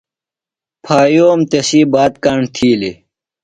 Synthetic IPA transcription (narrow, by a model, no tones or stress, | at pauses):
pʰaːjoːmt̪esiːbaːt̪̚kaːɳt̪ʰiːlḭ